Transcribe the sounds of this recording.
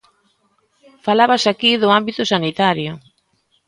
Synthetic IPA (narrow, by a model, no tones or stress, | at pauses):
falaβasakiðʊambit̪ʊsanit̪aɾjʊ